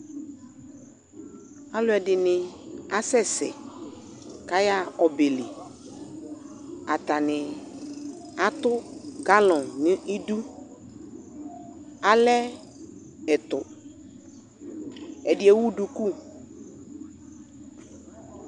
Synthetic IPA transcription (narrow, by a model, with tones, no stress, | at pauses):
a˦lʊ˦ɛ˨dɪ˨nɪ̃˨a˦sɛ˦sɛ̰˨ | ka˦ja˦ɔ˨be˨lɪ˨ | a˨t̪a˨nɪ˨ | a˦t̪ʊ˦ɡa˦lɔ̃˨nnɪ˦i˦du˦ | a˨lɛ˦ | ɛ˨t̪ʊ̰˨ | ɛ˨dɪ˨˦ɛ˦wu˦du˨ku˦